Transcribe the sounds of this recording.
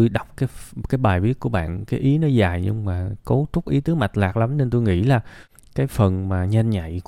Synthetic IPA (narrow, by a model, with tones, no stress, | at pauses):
o˧jɗa˨˩wk͡p̚kaː˨˦jkaː˨˦jɓaː˨˩jvi˦˥ət̚ku˧˩əɓa̰ː˧˨nkaː˨˦jʔi˨˦nɔ˨˦zaː˨˩jɲɨ̰˧ŋŋ͡mmaː˨˩ko˨˦t̪ʊ˦˥k͡p̚ʔi˨˦t̪ɨ˨˦ma˨˩jt̚laː˨˩k̚la˨˦mne˧nt̪̬o˧jŋḭ˧˥laː˨˩ | kaː˨˦jfə˨˩nmaː˨˩ɲa˧jnɲa̰˧˨j